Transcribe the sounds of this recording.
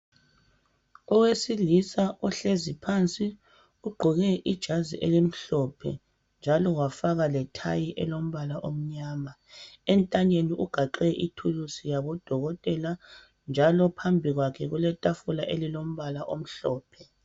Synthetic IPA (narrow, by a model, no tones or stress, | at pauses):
ɔwesilisaʔɔɬezipʰant͡sʼi | uɡ͡ǃʱuɣɛʔid̥ʒ̥ʱaziʔelim̩ɬɔpʰɛ̰ | nd͡ʒʱalɔwafaɣalɛtʰa̰jiʔɛlom̩βalaʔom̩ɲaːma | ɛntʼaɲeniʔuɡ̥ʱaǃɛʔitʰulusijaβɔd̥ʱɔɣɔtʼɛla | nd͡ʒʱalɔpʰambʱiɣwakʰɛɣulɛtʼafulaʔelilom̩βalaʔom̩ɬɔːpʰɛ